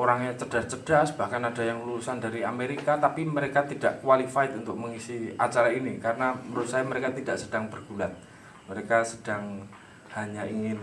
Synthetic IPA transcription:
oɾaŋɲat͡ʃəd̥ast͡ʃəd̥asb̥ahkanad̥a̤jaŋluusandaɾiameɾikat̪apiməɾekat̪ida̰ʔkwalifaɪt̪unt̪ʊk̚məŋisia̰t͡ʃaɾainikaɾənaməɾusajməɾekat̪idaʔsəd̥aŋbərɡ̥ulat̪̚ | məɾekasəd̥aŋ | haɲaiŋɪn

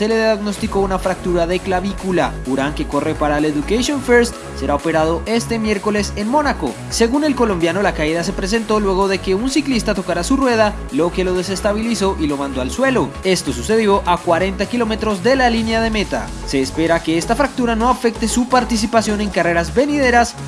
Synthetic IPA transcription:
se̞le̞ðaɡno̞st̪iko̞unafɾak̚t̪uɾaðe̞klaβikulauɾaŋke̞ko̞re̞paɾaleðukasjo̞nfeɾst̪ | se̞ɾaope̞ɾaðo̞ʔe̞st̪e̞mje̞ɾko̞le̞se̞nmo̞nako̞̰ | se̞ɣune̞lko̞lõ̞mbjano̞lakaiðas̬e̞pɾe̞s̬e̞nt̪o̞lwe̞ɣo̞ðe̞ke̞unsiklist̪at̪o̞kaɾasurwe̞ð̞a | lo̞ke̞lo̞ð̞e̞s̬e̞st̪aβiliso̞ʔilo̞mãnd̪o̞alswe̞lo̞e̞st̪o̞s̬use̞ðjo̞ʔakwaɾe̞nt̪akilo̞me̞t̪ɾo̞zd̪e̞lalinjað̞e̞me̞t̪a̰ | se̞ːspe̞ɾake̞est̪afɾak̚t̪uɾano̞afe̞k̚t̪e̞supaɾt̪is̬ipasjo̞ne̞ŋkare̞ɾazbe̞niðe̞ɾas

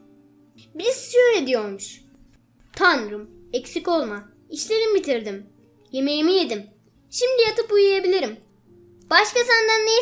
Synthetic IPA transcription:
biɾsʃøjɾed̪ijo̞ɾmuʃ | t̪ʰanɾum | ɛcsiko̞lˠma | iʃlʲe̞ɾimbit̪ʰiɾd̪im | je̞me̞jimije̞d̪im | ʃimd̪ijat̪ɯpujujabilʲiɾim | b̥aʃkasand̪anːe

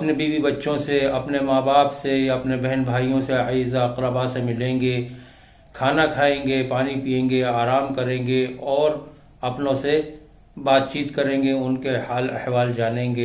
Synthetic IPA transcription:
ɐpnebiːbibɐtːʃõseɐpnemaːbaːpseɐpnebɛɦɛnbʱaːijõseaiːzaɐqɾəbasemɪlẽːŋɡe | kʰaːnakʰaːẽːŋɡepaːnipiːẽːŋɡeaːɾaːmkɐɾẽːŋɡeɔːɾ | ɐpnõse | baːt̪̚t͡ʃiːt̪kɐɾẽːŋɡeʊnkehaːlɐ̰hʋaːld͡ʒaːnẽːŋɡeː

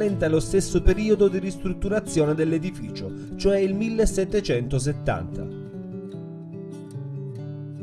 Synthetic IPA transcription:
lɛnt̪alost̪esːopeɾiːod̪od̪irist̪ɾut̪ːuɾat̪sːjoːned̪elːed̪ifiːt͡ʃo | t͡ʃoɛilmilːeset̪ːet͡ʃɛnt̪os̬et̪ːa̰nt̪ʰa̰

